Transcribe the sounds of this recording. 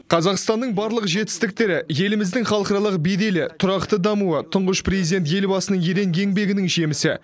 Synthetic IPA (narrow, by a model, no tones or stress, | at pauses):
qʰɑzɑqst̪ɑnːəɴbɑɾlˠəqʒe̞t̪ɪ̥st̪ɪk̚t̪e̞ɾɪje̞lɪmɪzd̪ɪŋχɑlˠqɑɾɑlˠəqbejd̪e̞lɪt̪ʰʊɾɑqt̪əd̪ɑmuət̪ʰʊɴʁəʃprezid̪ʲe̞nt̪je̞lbɑsənəɴjeɾe̞ŋɡʲe̞ŋbe̞ɡʲɪnɪŋʒe̞mɪsɪ̰